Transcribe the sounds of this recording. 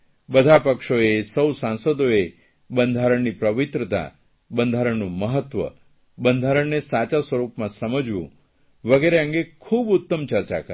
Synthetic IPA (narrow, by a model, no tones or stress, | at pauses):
bəd̪ʱapəkʃoesəwsãnsəd̪oe | bənd̪ʱaɾəɳnipɾəʋit̪ɾət̪a̰ | bənd̪ʱaɾəɳnũməɦət̪ʋə̰ | bənd̪ʱaɾəɳnesat͡ʃasʋəɾupmãsəməd͡ʒʋṵ̃ | ʋəɡeɾeə̃ŋɡekʰubʊt̪ːəmt͡ʃəɾt͡ʃa̰kə